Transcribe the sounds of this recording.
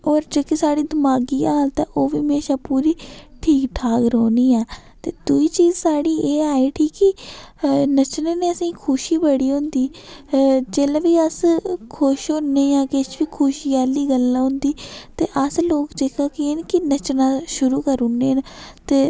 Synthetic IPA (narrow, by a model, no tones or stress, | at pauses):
ɔːɾd͡ʒoːkisaːɽiːd̪əmaːɡiːaːlt̪ãːʔoːʋimeːʃaːpuːɾiːʈʰiːkʈʰaːkɾoːniːɛːt̪eːd̪uiːt͡ʃiːzsaːɽiːeːaːeːʈʰiːkːi | nət͡ʃnaːneːəsĩːkʰʊʃiːbəɽiːɦʊ̃nd̪iː | d͡ʒeːlaːʋiːəskʰʊʃɦʊnːeːjãːkɪt͡ʃʋiːkʰʊːʃiːaːliːɡəlːãːɦʊ̃nd̪iːt̪eːʔəsloːkd͡ʒeːkʰaːkeeːnkɪnət͡ʃnaːʃʊɾuːkəɾʊnːeːnt̪eː